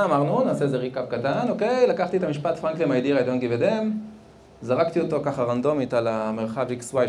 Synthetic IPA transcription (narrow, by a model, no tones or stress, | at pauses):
maʁnunaːseezeʁikavkatano̞ke̞jlakaχt̪iet̪amiʃpat̪fʁaŋklimajd̪iʁajd̪onɡived̪e̞m | zaʁakt̪ioto̞kaχaʁand̪o̞mitalameʁχavikswa